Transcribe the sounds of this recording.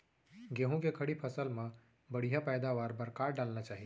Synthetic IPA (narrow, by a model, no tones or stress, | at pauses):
ɡeːɦũkekʰəɽipʰəsəlmã | bəɽ̤ijapɛːd̪aʋaːɾbəɾkaːɾɖaːlnat͡ʃaːɦi